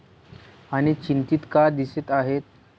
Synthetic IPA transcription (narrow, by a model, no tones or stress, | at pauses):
aɽ̃it͡ɕint̪it̪kad̪iseːt̪aɦet̪̚